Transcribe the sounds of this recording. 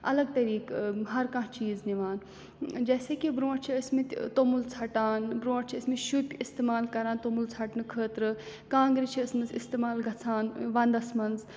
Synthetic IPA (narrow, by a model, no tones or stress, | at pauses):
ɐ̰lɐɡ̚t̪ɐɾiːkɦɐɾkãt͡ʃiːzniʋaːn | d͡ʒɛːseːkibɾõːʈt͡ʃʰiɐsmit̪ʲt̪omult͡sʰɐʈaːnbɾõːʈt͡ʃʰiɐsmiʃupʲist̪eːmaːlkɐɾaːnt̪omult͡sʰɐʈnɨkʰəːt̪ɾɨkãːŋɡɾit͡ʃʰiɐsnɨsist̪eːmaːlɡʱɐt͡sʰaːnʋɐ̃nd̪ɐsmɐnz